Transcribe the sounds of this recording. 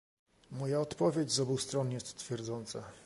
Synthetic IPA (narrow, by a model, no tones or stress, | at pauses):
mɔjaɔt̪pɔvʲjed͡ʑzɔbust̪ɾɔnjɛst̪t̪fʲjɛɾd̪zɔnt̪sa